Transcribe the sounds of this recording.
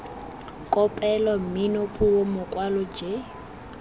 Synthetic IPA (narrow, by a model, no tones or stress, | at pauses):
kʼɔpʼɛlɔm̩mɪnopʼuomʊkʼwalɔd͡ʒe